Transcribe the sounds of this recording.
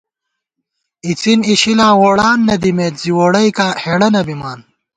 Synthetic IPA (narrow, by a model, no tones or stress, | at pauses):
it͡siniɕilaːwoːɽaːnːɐd̪imeːt̪z̥iwoːɽɐjkaːheɽɐnɐbimaːn